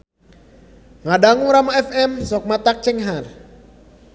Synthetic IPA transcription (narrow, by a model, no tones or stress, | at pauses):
ŋadaŋuɾamaɛfɛmsɔk̚mat̪ak̚t͡ʃɛŋɦar